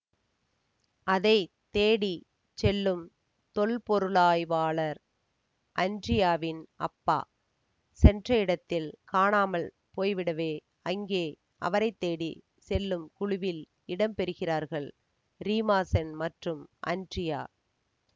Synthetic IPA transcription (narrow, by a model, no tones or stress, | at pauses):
ɐðɐɪ | t̪eːɽi | t͡ʃɛlːɯm | t̪ɔɭpɔɾɯɭaːjʋaːɭɐɾ | ʔɐndrɪjaːʋɪnɐ̰pːa̰ː | sɛndrɐɪɽɐt̪ːɪlkaːɳaːmɐɭ | poːjʋɪɽɐʋeː | ɐŋɡeː | ʔɐ̰ʋɐɾɐɪt̪ːeːɽḭ | sɛlːɯmkʊɻʊʋɪl | ɪɽɐmpɛɾɯɣɪraːɾɣɐɭ | ɾiːmaːsɛnmɐʈrɯmʔɐ̰ndrɪja̰ː